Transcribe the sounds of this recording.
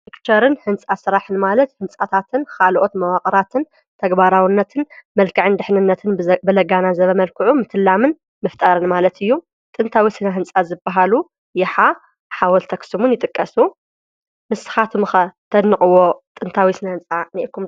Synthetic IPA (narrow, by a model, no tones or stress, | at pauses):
ikt͡ʃʰɐɾɨnhɨnt͡sʼasɨɾaħɨnmalɐt̪hɨnt͡sʼat̪ʰat̪ʰɨnkʰalʔo̞t̪mɐwaqʼɐɾat̪ʰɨn | t̪ʰɐɡbaɾawinːɐt̪ʰɨnmɐlkʰɨʕɨnd̪ɨħnɨnːɐt̪ʰɨnbɨlɐɡanazɐβɐmɐlkʰɨʕumɨt̪ʰɨlːamɨn | mɨft̪ʼaɾɨnmalɐt̪ʰɨjːu | t̪ʼɨnt̪ʰawisɨnaɦɨnt͡sʼazɨbːaɦalu | jɛħa | ħawɔlt̪ʰɐksɨmunjɪt̪ʼɨkʼːɐsu | mɨsːɨ̥xat̪ʰmɨxɐt̪ʰɐd̪nɨkʼɨwot̪ʼɨnt̪ʰawisɨnahɨnt͡sʼaniʔkʰːum